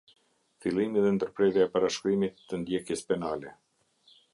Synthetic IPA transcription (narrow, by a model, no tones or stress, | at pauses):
filˠimiðɛnd̪əɾpɾɛðjaɛpaɾaʃkɾimit̪ːənd̪jɛkjɛspɛnalɛ